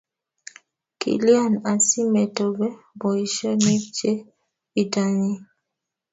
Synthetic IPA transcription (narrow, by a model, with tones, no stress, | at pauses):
kḭ˨li˦a˦˨na˨si˦mɛ˨tɔ˨bɛ˦ | bɔ˨i˨ʃɔ˦ne˦t͡ʃe˦ | i˨da˨ɲi˦